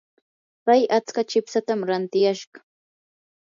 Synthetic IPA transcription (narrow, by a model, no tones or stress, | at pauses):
pajat͡skat͡ʃɪpsat̪amɾant̪ɪjaʃɢɑ̥